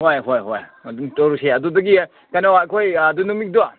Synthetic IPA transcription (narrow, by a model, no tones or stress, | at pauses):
hojɦojɦojdutɔɾuseɐdudɐɡi | kajnawakʰojdunumik̚dua